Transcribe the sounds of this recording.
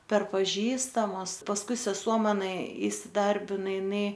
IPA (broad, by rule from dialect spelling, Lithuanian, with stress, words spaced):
pʲɛr pɐˈʒʲiːstɐmʊs pɐsˈkʊɪ sʲɛˈsuɔ mɐˈnɐ iːsʲɪˈdɐrʲbʲɪnɐ ɪˈnɐɪ